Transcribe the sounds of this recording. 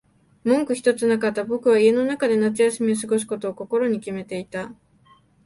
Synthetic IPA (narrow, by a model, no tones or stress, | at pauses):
mõ̞ŋkɯ̟çi̥t̪o̞t͡sɨnakat̪ːabo̞kɯ̟β̞aie̞no̞nakad̪e̞nat͡sɨjasimʲis̬ɨɡo̞s̬i̥ko̞t̪o̞ːko̞ko̞ɾo̞ɲ̟ikʲime̞t̪e̞it̪a